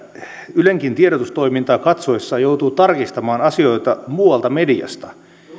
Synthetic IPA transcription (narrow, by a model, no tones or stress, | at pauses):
yleŋkint̪ieɾot̪ust̪oimint̪ɑːkɑt̪soesːɑːjout̪uːt̪ɑrkist̪ɑmɑːnɑsioit̪ɑmuːɑlt̪ɑmediɑ̰st̪ɑ̥